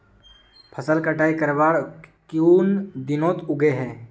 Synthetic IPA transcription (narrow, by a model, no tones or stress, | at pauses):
pʰəsəlkəʈaːikəɾbaːɽkjuːnd̪ɪnõt̪ʊɡeɦɛ̃ː